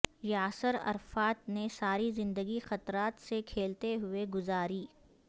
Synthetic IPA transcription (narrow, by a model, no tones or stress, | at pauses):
jaːsəɾɐ̰ɾfaːt̪nesaːɾizɪ̃nd̪əɡixɐt̪ɾaːt̪sekʰeːlt̪eɦʊeɡʊzaːɾiː